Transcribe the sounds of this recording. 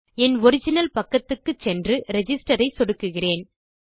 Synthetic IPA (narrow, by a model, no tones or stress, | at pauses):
ɛnɔɾɪd͡ʒɪnɐlpɐkːɐt̪ːɯkːɯt͡ʃɛndrɯɾɛd͡ʒɪsʈɐɾɐɪsɔɽɯkːɯɣɪreːn